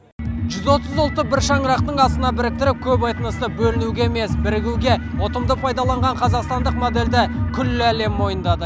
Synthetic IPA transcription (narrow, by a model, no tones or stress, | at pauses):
ʒʏzwo̞t̪əzʊlˠt̪ːəbɪɾʃɑɴɾɑqt̪əɴɑsənɑbɪɾɪk̚t̪ɪɾɪp̚kʲʰɵpɑjt̪ənəsəbɵlɪnuɡʲeeme̞sbɪɾɪɡʲɪwɡʲe̞wo̞t̪əmd̪əpʰɑjd̪ɑlˠɑɴʁɑɴqʰɑzɑqst̪ɑnd̪əqmo̞d̪e̞ld̪ɪkʲʰʏlːɪæle̞mːo̞jənd̪ɑd̪ə